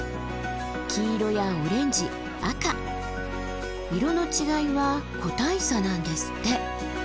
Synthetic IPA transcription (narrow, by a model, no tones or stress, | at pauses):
kʲʰiːɾo̞jaɯɾẽ̞ɲ̟d͡ʑi | aka | iɾo̞no̞t͡ɕiɡaiβakʰo̞t̪aisanãnd̪e̞sɨ̥t̪ːe̞